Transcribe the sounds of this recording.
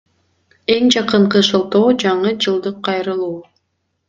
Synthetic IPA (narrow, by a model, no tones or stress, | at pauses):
e̞ŋd͡ʒɑqɯɴqɯʃolˠt̪oːd͡ʒɑɴɯd͡ʒɯlˠd̪ɯqʰːɑjɾɯlˠuː